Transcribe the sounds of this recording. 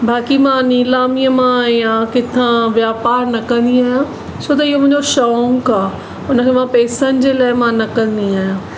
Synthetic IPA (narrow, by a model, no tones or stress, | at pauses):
baːkimãniːlaːmiəmãːɦijãkɪt̪ʰãʋjaːpaːɾnɐkɐ̃nd̪iaːɦjã | t͡ɕʰoːt̪̬ɐɪɦomʊ̃ɦɪ̃ɲd͡ʑoʃɔːŋkaː | ʊnəkʰeːmãpɛːsənɪ̆d͡ʑeːlaːɪmãnɐkɐ̃nd̪iaːɦijãː